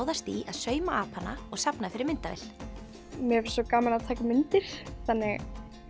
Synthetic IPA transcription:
wðast̪iaðsœːɥmaʔaːphanːa̰ɔɣsapnafɪɾɪɾmɪnt̪avɛ̰l | mɛɛvsɔkaːmalaðt̪ʰaːjkʏmɪnt̪ɪɾ̥θanːɪɣ

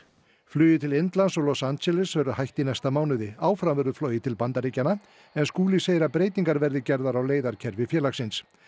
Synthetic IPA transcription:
flʏːjɪt̪ʰɪlent̪lansɔlɔsant̪sɛlɪsvɛɾʏhajht̪inɛjst̪amaːwnʏðɪaːwfɾamvɛɾʏflɔːjɪt̪ʰɪlpant̪aɾicana | ɛnskuːlɪseːjɪɾaðpɾeːjt̪iŋkaɾvɛɾðɪcɛɾðaɾawleːjðaɾ̥cʰɛɾvɪfjɛːlaksɪns

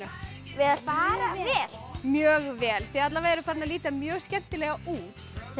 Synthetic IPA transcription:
vɪðaspaɾaɛːlmjœːɣvɛːlθiðat̪lavaɛɾʏpʰaɾnaliːt̪amjœːɣscɛm̥t̪ɪlɛɣauːt̪

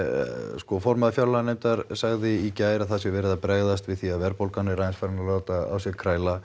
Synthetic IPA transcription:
skɔfɔɾmaðafjawlanejmt̪aɾ̥saɣðɪicaːjɾaðθasjɛvɛːɾɪðapɾɛɣðast̪vɪðθiaðvɛɾpowlkanɪɾajɪnsfaɾɪnalaːwt̪aa̰wsjɛkʰɾaːjla

